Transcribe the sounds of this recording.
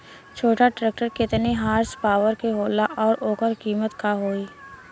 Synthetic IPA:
t͡ʃʰoːʈaʈɾɛːk̚ʈəɾkɪt̪neɦaːɾspaːʋəɾkeɦoːlaʔɔːɾʔoːkəɾkiːmət̪kaɦoːiː

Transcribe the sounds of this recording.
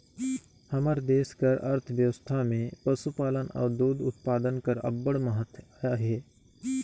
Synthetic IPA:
həməɾd̪eːskəɾɐ̰ɾt̪ʰʋjəʋəst̪ʰamẽpəsupaːlənɔ̰ːɾd̪uːd̪ʊt̪̚paːd̪ənkəɾɐ̰bːəɽməɦət̪ʰajaɦɛː

